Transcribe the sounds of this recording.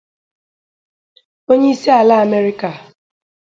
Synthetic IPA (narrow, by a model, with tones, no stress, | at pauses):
o˦ɲe˦i˦si˦a˨la˦a˨me˦ɾɪ˦ka˨